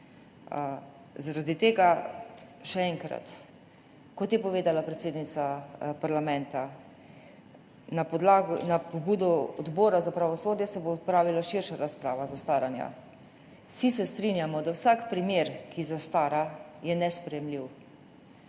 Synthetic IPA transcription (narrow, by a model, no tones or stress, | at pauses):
zaɾad̪it̪eːɡa | ʃɛɛŋkɾa̰t̪ | kɔt̪jɛpɔʋeːd̪alapɾɛt̪seːd̪nit̪sapaɾlamɛ̃nt̪a | napɔlaɡnapɔbuːd̪ɔɔd̪bɔːɾazapɾaʋɔsoːd̪jɛsɛboːt̪pɾaːʋilaʃiɾʃaɾaspɾaːʋazast̪aːɾanja̰ | sisɛst̪ɾinjamɔd̪awsakpɾimjeːɾkʰizast̪aːɾajɛnɛspɾɛjɛmliw